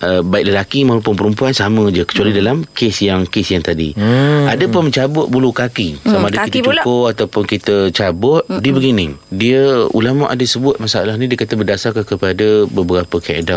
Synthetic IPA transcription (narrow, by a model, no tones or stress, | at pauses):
ʔəbaɪk̚ləlakimãɦupʊnp̬əɾəmpuansamə̃d͡ʒəkə̥t͡ʃualidalamkesjaŋkesjaŋt̪adḭadəpʊnməɲt͡ʃabʊʔ̚bulukakisamaadakitat͡ʃukʊʔat̪awpʊnkit̪ət͡ʃabʊʔ̚dibəɡinɪdiəṵlamaʔa̰dasəbʊt̪̚masaalahnidiəkat̪əbərdasarkankəpadəbəbəɾapəkaḛda